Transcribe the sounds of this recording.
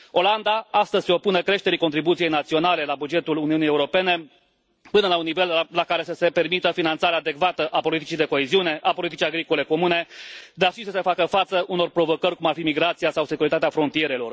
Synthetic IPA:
o̞land̪aast̪əzʲseo̞punekɾe̞ʃt̪e̞ɾiko̞nt̪ɾibut̪sije̞jnat̪sio̞nale̞labud͡ʒe̞t̪uluniunijeuɾo̞pe̞ne̞ | pɨnəlaunːive̞llakaɾe̞səse̞pe̞rmit̪əfinant̪saɾead̪e̞kvat̪əʔapo̞lit̪it͡ʃijd̪e̞ko̞e̞ziune̞ʔapo̞lit̪it͡ʃijaɡɾiko̞le̞ko̞mune̞d̪arʃisəse̞fakəfat̪səʔuno̞rpɾo̞vo̞kərʲkumarfimiɡɾat̪sijasawse̞kuɾit̪at̪eafɾo̞nt̪ijeɾe̞lo̞̰r

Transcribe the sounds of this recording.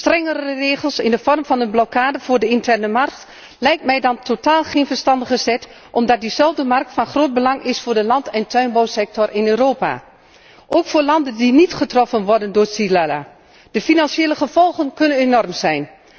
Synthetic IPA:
strɛŋərəreːɣəlˠsɪ̰ndəfɔrmfɑnənblɔkʰaːdəvʊːrdəɪntɛrnəmɑrk̚t | lɛjk̚tmɛjdɑntʰotaːlˠχeːnfərstɑndəɣəsɛt | ʔɔmdɑt̚dizɛlˠvdəmɑrk̚tfɑnxroːt̚bəlɑŋʔɪsfoːdəlɑntʰɛntʰœɥnbowsɛk̚tɔrɪnøːroːpa̰ | ʔoːkfoːɹlɑndəndinitχətrɔfənʋɔrdəndʊːsilala̰ | d̥əfinɑnsjeːləχəv̥ɔlˠɣənkønənenɔrmzɛjn

